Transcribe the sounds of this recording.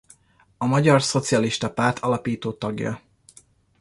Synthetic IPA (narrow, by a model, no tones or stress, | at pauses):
ɒmɒɟɒrso̞t̪siɒliʃt̪ɒpaːrt̪ʰɒlɒpiːt̪oːt̪ɒɡjɒ̰